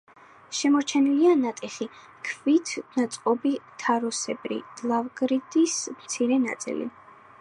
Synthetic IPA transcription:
ʃɛmɔɾt͡ʃʰɛnilianat̪ʼiχi | kʰvit̪ʰnat̪sʼqʼɔbit̪ʰaɾɔsɛbɾḭlˠavɡɾid̪ismt̪sʰiɾɛna̰t̪sʼḭlḭ

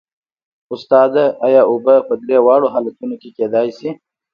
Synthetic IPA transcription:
ʊst̪ɑd̪aajɑʊbəpəd̪ɾewɑɽoɦɑlat̪unokeked̪ɑjsi

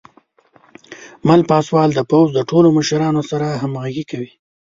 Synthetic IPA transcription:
malpɑswɑld̪əpawzd̪əʈoloməʃɾɑnosaɾaɦamɣaɡikawi

